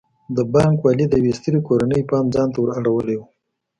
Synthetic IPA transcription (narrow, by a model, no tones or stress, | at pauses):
d̪əbɑŋkwɑlid̪əwest̪əɾikoɾanəjpɑnd͡zɑnt̪awəɾaɽawəlewu